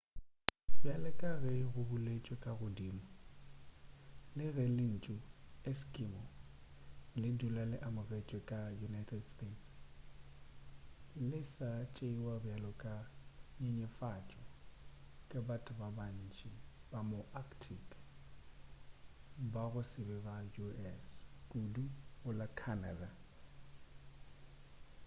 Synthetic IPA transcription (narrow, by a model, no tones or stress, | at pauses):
bjalɛkʼaɣɛɣʊbʊlet͡ʃʼwekʼaɣʊdiːmʊ | lɪɣɛlɪn̩t͡ʃʼʊeskʼimɔ | lɪdulalɪʔamʊret͡ʃʼwekʼajunajtʰɛdstʰʼets | lɪsat͡ʃʼeiwabjalɔkʼaɲeɲɛfat͡ʃʼɔ | kʼɪbatʼʊbaban̩t͡ʃʼib̥amoʔakʰtʰikʼ | baɣʊsɪbɛbajuɛskʼuduɣʊlakʰana̰da